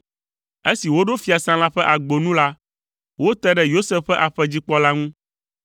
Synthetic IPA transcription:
e˦si˨wo˦ɖo˦fi˦a˨sã˦la˦ɸɛ˦ʔa˨ɡ͡bo˨nũ˦la˦ | wo˦t̪ɛ˦ɖɛ˦jo˦sɛ˦fɸɛ˦ʔa˨ɸɛ˦d͡ʑi˦k͡pɔ˦la˦ŋũ˦

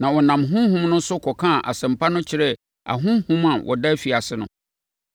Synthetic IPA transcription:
nã˨wɔ˨nã˨mɦʊ̃˦hũ˦mnʊ̃˦n˦sʊ˦kʰɔ˨kʰã˦˨ʔa˨sɛ̃˨mpʰa˦nʊ̃˦t͡ɕʰɪ˦ɾɛ˦ | a̰˨ɦʊ̃˦hũ˦mã˨wʔɔ̰˨da˦fi˨a˨sɪ˦nʊ̰̃˨

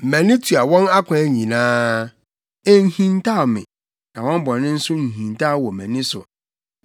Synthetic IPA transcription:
mæ̃˨nɪ̃˦tʰu˨a˨wɔ̃˦na˦kʷʰã˨˦ɲĩ˨nãː˦ | e˦n̩˦hĩ˨ntʰa˦o˨mɪ̰̃˨ | nã˨wɔ̃˦m˦bɔ̃˨nɪ̃˦n̩˦sʊ˦nũ˨ɦĩ˨n˨tʰa˦˨wɔ˨mæ̃˨nɪ̃˦sʊ̰˨

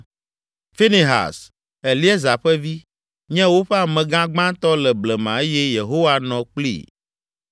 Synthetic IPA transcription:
fi˦ni˨ɦa̰˨s | ɛ˨li˦ɛ˦za˨ɸɛ˦vi˦ | ɲɛ̃˦wo˦ɸɛ˦a˨mɛ̃˨ɡã˦ɡ͡bã˦t̪ɔ˦lɛ˨blɛ˨mã˨e˦jɛ˦je˨ɦo˦wa˦nɔ̃˨k͡plḭ˦˨

